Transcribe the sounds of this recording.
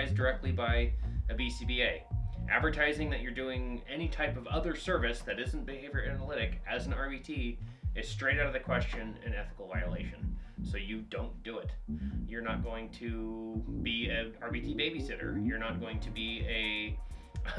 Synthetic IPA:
ɪzdə˞ɛk̚tˡlibaɪɨbisibieɪʔæ̰dvə˞tʰaɪzɪ̃ŋðɨt͡ʃə˞dʉɪ̃ŋɛñitʰaɪpʌvʌðə˞sɜ˞vɨsðɨɾɪz̃n̩b̥ɨheɪvjə˞æænəlɪɾɨkɨz̃n̩ɑɹbitʰiɨz̥stɹ̥eɪɾaʊɾʌvðɨkʰw̥ɛst͡ʃɨ̃nɨ̰̃nɛθə̥kl̩ˠvaɪəlḛɪʃɨ̃nsoʊjɨdõʊ̃nd̥ɨɪtjə˞nət̚ɡ̥oʊɪ̃ŋtʰɨbiɨɑɹbitʰibeɪbisɪɾə̰˞jə˞nət̚ɡ̥oʊɪ̃ŋtʰɨbiɨ

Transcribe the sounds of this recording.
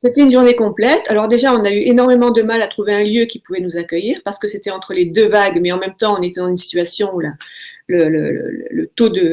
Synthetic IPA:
set̪ɛynʒuʁnekɔ̃plɛt̪alɔʁd̪eʒaɔ̃nayʔenɔʁmemɑ̃d̪əmalat̪χuveɛ̃ljøkʲipuvɛnuzakʲœjiːʁpaʁsə̥kəset̪ɛɑ̃t̪χəled̪øvaɡmɛɑ̃mɛmt̪ɑ̃ɔ̃net̪ɛd̪ɑ̃zynsi̥t̪ɥasjɔ̃ulalələ̰lə̰lə̰lət̪od̪ə

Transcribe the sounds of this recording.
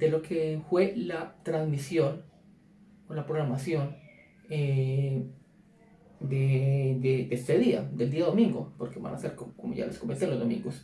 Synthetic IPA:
d̪̥elo̞kʰefwe̞lat̪ɾanzmisjo̞n | olapɾoɣɾamasjo̞n | e | d̪ed̪epest̪eðia̰d̪eld̪iao̞mĩŋɡo̞̰po̞ɾkeβa̰nʔa̰seɾkokomoʝa̰leskombent̪elo̞zd̪o̞mḭ̃ŋɡos

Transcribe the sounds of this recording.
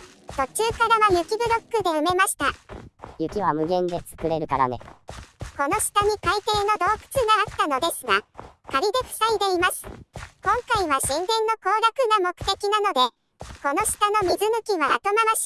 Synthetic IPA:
t̪o̞t͡ɕɨːkaɾaβajɯ̟kʲibɯ̟ɾʲo̞kːɯ̟d̪e̞ɯ̟me̞maɕi̥t̪ajɯ̟kʲiβamɯ̟ɡẽ̞nd̪e̞sɨ̥kɯ̟ɾe̞ɾɯ̟kaɾa̰ne̞̰ko̞no̞ɕi̥t̪aɲ̟ikait̪e̞ːno̞d̪o̞ːkɯ̟̥t͡sɨɡaːkt̪ano̞d̪e̞sɨɡakaɾʲid̪e̞kɯ̟̥said̪e̞imasɨ̥kõ̞ŋkaiβaɕĩŋɡ̪ẽ̞nːo̞ko̞ːɾakɯ̟ɡamo̞kɯ̟̥t̪e̞kʲinano̞d̪e̞ | ko̞no̞ɕi̥t̪ano̞mʲizɨnɯ̟kʲiβamat̪o̞maβaɕ

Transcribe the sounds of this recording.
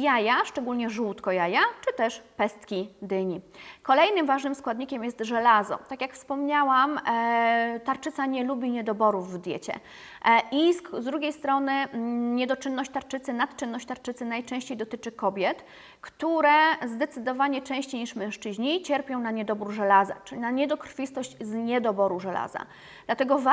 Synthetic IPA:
jajaʂt͡ʂɛɡulɲɛʐuwt̪kɔjajat͡ʂɘt̪ɛʂpɛst̪kʲid̪ɘɲikɔlɛjnɘmvaʐnɘmskwad̪ɲikʲɛmjɛst̪ʐɛlazɔ̰t̪akʲjakfspɔmɲawam | t̪aɾt͡ʂɘt̪saɲɛlubʲiɲɛd̪ɔbɔɾuvːd̪ʲjɛt͡ɕɛ̰ | ʔiszd̪ɾuɡʲejst̪ɾɔnɘɲɛd̪ɔt͡ʂɘnːɔɕt͡ɕt̪aɾt͡ʂɘt̪sɘnat̪t͡ʂɘnːɔɕt͡ɕt̪aɾt͡ʂɘt̪sɘnajt͡ʂɛ̃w̃ɕt͡ɕejd̪ɔt̪ɘt͡ʂɘkɔbʲjɛt̪ | kt̪uɾɛzd̪ɛt̪sɘd̪ɔvaɲɛt͡ʂɛ̃w̃ɕt͡ɕejɲiʂmɛ̃w̃ʂt͡ʂɘʑɲit͡ɕɛɾpʲjɔ̃w̃naɲɛd̪ɔbuɾʐɛlaza̰ʈ͡ʂnaɲɛd̪ɔkɾfʲist̪ɔɕt͡ɕzɲɛd̪ɔbɔɾuʐɛla̰za̰ | d̪̥lat̪ɛɡɔv

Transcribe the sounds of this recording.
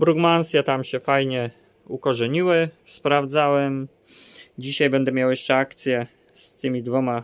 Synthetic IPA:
bɾuɡmansjɛt̪amɕɛfajɲɛ | ukɔʐɛɲiwɘspɾavd̪zawɛm | d͡ʑiɕajbɛnd̪ɛmʲjawjɛʂt͡ʂɛakt̪sʲjɛ | st̪ɘmʲid̪vɔma

